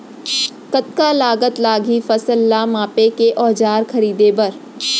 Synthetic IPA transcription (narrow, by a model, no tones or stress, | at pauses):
kət̪kalaːɡət̪laːɡʱifɐsəlːamãːpekeʔɔːd͡ʒaːɾkʰɐɾiːd̪ebɐɾ